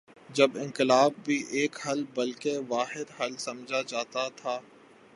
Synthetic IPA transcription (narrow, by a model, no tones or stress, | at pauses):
d͡ʒɐbɪ̃ŋkɪlaːb̚ːʱiʔeːkhɐlbɐlkeʋaːɦɪd̪ɦɐlsɐ̃md͡ʒʱad͡ʒaːt̪at̪ʰaː